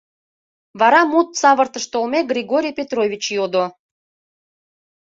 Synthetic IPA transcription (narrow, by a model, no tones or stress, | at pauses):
βɑɾɑmut̪sɑβərt̪əʃt̪olmeɡɾʲiɣoɾʲijpʲet̪ɾovʲit͡ɕjod̪o